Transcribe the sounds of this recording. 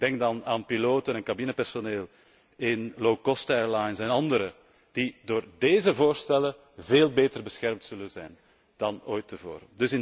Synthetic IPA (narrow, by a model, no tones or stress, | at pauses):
ɡd̥ɛŋk̚dɑnaːnpiloːtənənkabinəpɛrsoneːlˠ | ɪnlowkɔstɛɹlajnsɛnɑndəɾə | d̥idoːrdeːzəvoːrstɛlə | veːlˠbeːtərbəsxɛrmtsɵlənzɛjn | d̥ɑnoːjtːəvo̰ːɾədɵsɪn